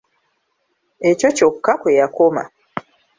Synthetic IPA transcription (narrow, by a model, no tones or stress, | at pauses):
ecocokukakwejakoma̰